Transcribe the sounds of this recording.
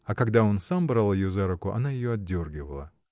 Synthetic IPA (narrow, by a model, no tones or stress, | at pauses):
ɐkɐɡd̪ao̞nsambɾalˠɪjozaɾʊkʊʔɐ̰najɪjoɐdʲorɡʲɪvəlˠə